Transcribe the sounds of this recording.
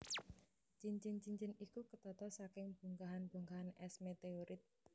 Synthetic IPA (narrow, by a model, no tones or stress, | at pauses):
t͡ʃiɲt͡ʃɪnt͡ʃiɲt͡ʃɪnikukət̪ɔt̪ɔsakɪŋb̥ṳŋkaɦanb̥o̤ŋɡaɦanɛsmet̪eoɾʔɪt̪̚